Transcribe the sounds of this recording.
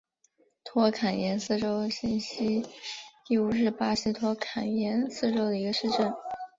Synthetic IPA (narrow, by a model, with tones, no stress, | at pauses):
t̪ʰwɔ˥kʰa˨˩njɛ˧˥nsɹ̩˥˩ʈ͡ʂo˥ʊɕi˥˩nɕi˥t̪i˥˩u˥˩ʂɻ̩˥˩pa˥ɕi˥t̪ʰwɔ˥kʰa˨˩njɛ˧˥nsɹ̩˥˧ʈ͡ʂo˥ʊd̪ə˨i˧˥ɡə˧ʂɻ̩˥˧ʈ͡ʂə˥˩n